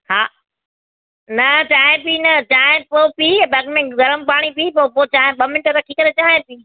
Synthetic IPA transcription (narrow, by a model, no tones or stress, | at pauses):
haː | nɐt͡ɕaːɦẽpiːnɐt͡ɕaːɦẽpoːpibɐkmẽɡɐɾəmpaːɽ̃ipiːpoːpot͡ɕaːɦẽɓɐmɪnɪʈət̪akʰikɐɾet͡ɕaːɦẽpiː